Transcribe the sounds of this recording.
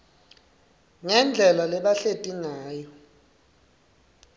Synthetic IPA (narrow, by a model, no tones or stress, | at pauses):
ŋɛnd͡ɮʱɛlalɛɓaɬetʼinaːjɔ